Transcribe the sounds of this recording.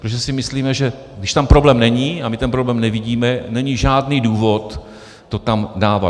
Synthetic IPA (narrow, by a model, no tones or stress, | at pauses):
pɾt̪oʒɛsɪmɪsliːmɛʒɛ | ɡdɪʃt̪ampɾoblɛːmnɛɲiːamɪt̪ɛnpɾoblɛːmnɛvɪɟiːmɛnɛɲiʒaːdniːduːvo̞t̪ː | ot̪amdaːva̰